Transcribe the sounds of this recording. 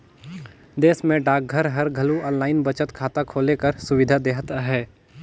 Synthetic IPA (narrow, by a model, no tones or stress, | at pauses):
d̪eːsmẽɖaːk̚ɡʱəɾɦɐɾɡʱɐluə̃ːnlaːɪnbət͡ʃət̪kʰaːt̪akʰoːlekəɾsʊʋɪd̪ʱad̪eːɦt̪aɦɛː